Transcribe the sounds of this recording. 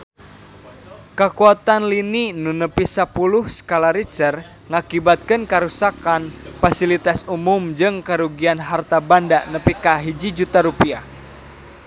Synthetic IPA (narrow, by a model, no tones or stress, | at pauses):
kəkuat̪anlininunəpisapulʊhsə̥kalaɾit͡ʃər | ŋakibat̪̚kənkəɾusakanfasilit̪asumʊmd͡ʒɨŋkəɾuɡianɦart̪abandanəpikaɦid͡ʒid͡ʒut̪aɾupia